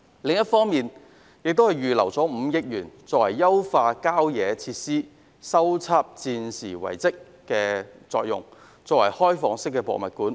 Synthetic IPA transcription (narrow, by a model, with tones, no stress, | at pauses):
lɪ˨ŋjɐ˥t̚fɔː˥ŋmiː˨n | jɪ˨k̚t̪o˥whɐ˨˩jyː˨lɐ˨˩wt͡sɔː˨˥m̩ː˨˧jɪ˥k̚jyː˨˩nt͡sɔː˧k̚wɐ˨˩jːɐ˥wfaː˧kaː˥wjɛː˨˧t͡sʰiː˧t̚siː˥ | sɐ˥wt͡sʰaː˥p̚t͡siː˧nsiː˨˩wɐ̰˨˩jt͡sɪ˥kː | ɛː˧t͡sɔː˧k̚jʊ̰˨ŋ | t͡sɔː˧k̚wɐ̰˨˩jhɔː˥jfɔː˨˧ŋsɪ˥k̬ːɛː˧pɔ̰˨mɐ˨t̚kuː˨˥n